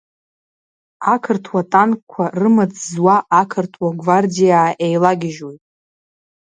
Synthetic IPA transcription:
akʰɨrtʰwatʼankʼkʷʰarɨmad͡zʼzwaʔakʰɨrtʰwaɡvardijaːʔejlaɡʲɪʒwejtʼ

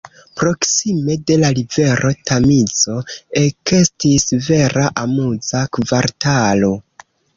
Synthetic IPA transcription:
pɾo̞ksime̞de̞lalive̞ɾʔo̞tamit͡so̞e̞ke̞stisve̞ɾʔaʔamuzakvaɾtalo̞

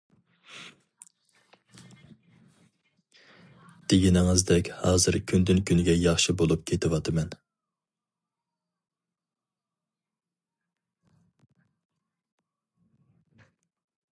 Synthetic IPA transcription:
d̪̥eɡʲinɪŋɪzd̪ɛkʲhɑːzɨɾkʲʰynd̪ynkʲynɡʲɛjɑχʃibolˠup̚kʲʰet̪ʰɪwɑt̪ʰɨmɛn

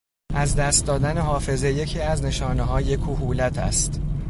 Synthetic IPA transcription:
ʔæzd̪æst̪̚d̪ɒːd̪æne̞ɦɒːfe̞ze̞je̞cʰiːæzne̞ʃɒːneɦɒːje̞kʰuːhuːlæt̪ʰæ̰st̪

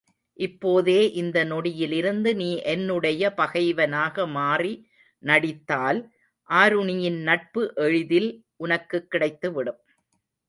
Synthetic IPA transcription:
ʔɪpːoːðeːʔɪnd̪ɐnɔɽɪjɪlɪɾɯnd̪ɯniːʔɛnːɯɽɐjɐpɐɣɐɪʋɐnaːɣɐmaːri | nɐɽɪt̪ːaːl | ʔaːɾɯɳɪjɪnnɐʈ̚pɯʔɛɻɯðɪlʔʊnɐkːɯkːɪɽɐɪt̪ːɯʋɪɽɯm

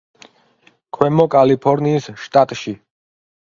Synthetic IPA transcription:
kʰwɛmɔkʼalipʰɔɾniːsʃt̪ʼat̪ʼʃi

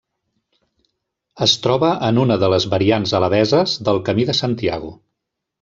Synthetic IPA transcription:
əst̪ɾɔβəʔənunəðələzβəɾianzələβɛzəzðəlˠkəmiðəsant̪ia̰ɣṵ

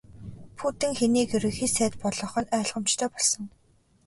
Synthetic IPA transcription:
pʰut̪ɘ̆ŋxeniːkɵɾɘ̆xiːsæːt̪pɔɮɞ̆ːχɞ̆nœːɮʁə̆mt͡ɕt̪ʰœːpɔɮsɞ̆ŋ

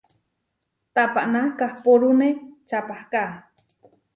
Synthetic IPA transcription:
t̪apaʔnakahpoɾunet͡ʃapahkaʔ

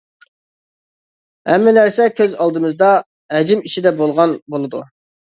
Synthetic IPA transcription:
ɛmːɪlæɾsɛkʲʰøzɑlˠd̪ɨmɨzd̪ɑ | ɦɛd͡ʒimiʃid̪ɛbolˠʁɑnbolˠɨd̪u

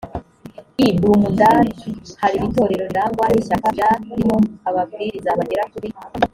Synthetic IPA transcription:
ibuːmundaɾhaɾiβito̞ːɾe̞ɾo̞ndaːŋɡwahiʃakajaɾimo̞aβabɡiɾizaβaɟeɾakuɾi

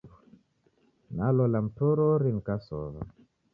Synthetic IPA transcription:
nalɔlam̩toɾɔɾinkasɔ̰βa̰

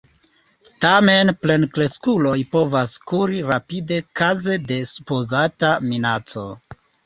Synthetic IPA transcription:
tamenple̞nkle̞skulo̞jpo̞vaskuɾiɾapide̞kaze̞de̞supo̞zataminat͡so̞̰

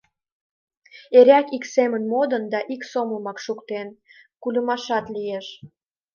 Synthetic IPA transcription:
eɾʲækiksemənmod̪ənd̪ɑʔiksoməmɑkʃukt̪en | kulʲə̆mɑʃɑt̪lijeʃ

